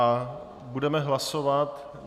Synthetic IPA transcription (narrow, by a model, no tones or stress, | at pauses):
budɛmɛɦlasovat̪